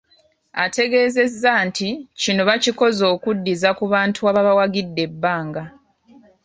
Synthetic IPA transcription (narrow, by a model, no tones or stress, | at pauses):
a̰te̞ɡe̞ːze̞zːanticino̞βaciko̞zo̞ːkudːizakuβaːntʰuaβaβawaɡidːe̞bːaːŋɡa